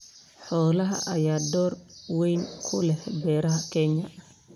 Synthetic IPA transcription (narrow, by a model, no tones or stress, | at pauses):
ħɔːlɐɦɐ̰ʔɐjaːd̪ɔːrwɛjnkʰʊlɛhbɛːɾɐɦɐkʰɛɲɐ